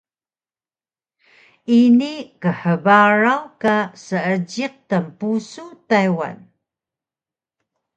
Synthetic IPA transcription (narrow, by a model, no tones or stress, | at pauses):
inikəħəbaɾawkasəəd͡ʑiq̚təmpusutajwa̰n